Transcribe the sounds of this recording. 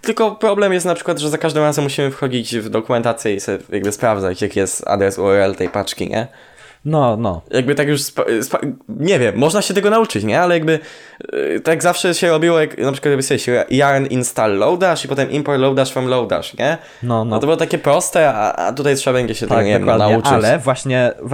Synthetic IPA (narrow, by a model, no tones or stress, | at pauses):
t̪ɘlkɔpɾɔblɛmjɛst̪napʂɘkwad̪ʐɛzakaʐd̪ɨmɾazɛmːuɕimɘfxɔd͡ʑit͡ɕvd̪ɔkumɛnt̪at̪sʲjɛisɛjaɡ̚bɘspɾavd̪zat͡ɕjakjɛst̪a̰d̪ɾɛsuɛɾɛlt̪ɛjpat͡ʂkʲḭɲʔɛ̰ | nɔnɔjʔaɡ̚bɘt̪akjuʂspspaɲɛvʲjɛmːɔʐnaɕɛt̪ɛɡɔnaut͡ʂɘt͡ɕɲɛalɛjaɡbɘ | t̪aɡzafʂɛɕɛɾɔbʲiwɔjaknapʂɘ̥kwat̪jaɡbsɔvʲeɕjaɾɛninst̪alːɔwd̪aʂipɔt̪ɛmʔimpɔɾlɔwd̪aʂfɛmlɔwd̪a̰ʂɲɛ | nɔnɔt̪ɔbɨwɔt̪akʲɛpɾɔst̪ɛa̰ʔa̰t̪ut̪ajtʂɛbabɛɲd͡ʑɛɕɛt̪ɛɡɲɛvɛnaut͡ʂɘt͡ɕɛvwaɕɲɛ